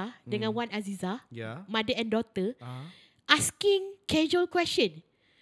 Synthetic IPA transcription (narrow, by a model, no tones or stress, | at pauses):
adəŋãnwanazizamadəɛ̃ndɔt̪ə | ʔaskĩŋkɛd͡ʒuəlkwɛst͡ʃɔ̃n